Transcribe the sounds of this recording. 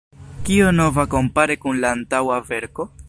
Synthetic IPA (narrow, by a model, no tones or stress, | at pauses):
kio̞no̞vako̞mpaɾekunlaːntawave̞ɾko̞